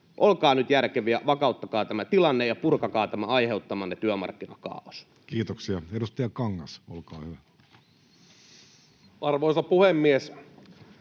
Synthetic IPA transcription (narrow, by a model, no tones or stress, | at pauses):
ʔolkɑːnyt̪jærkeʋiæʋɑkɑˑut̪ːɑkɑːt̪æmæt̪ilɑnːejɑpurkɑkɑːt̪æmæɑiheut̪ːɑmɑnːet̪yømɑ̰rkːinɑkɑ̰ːos | kiːt̪oksiɑedust̪ɑjɑkɑŋːɑsolkɑːhyʋæ | ʔɑrʋoisɑpuhemːies